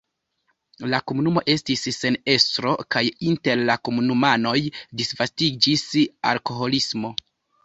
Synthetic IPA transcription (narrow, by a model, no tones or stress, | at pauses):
lakomunumo̞ʔe̞stisːe̞ne̞stɾo̞kajinte̞ɾlakomunumano̞jdisvastid͡ʒisa̰lko̞ɦo̞lismo̞